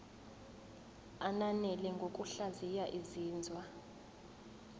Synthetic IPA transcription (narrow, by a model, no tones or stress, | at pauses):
ananɛlɛŋɡʱok̬ʼuɬazijaʔiziːnd͡zʱwa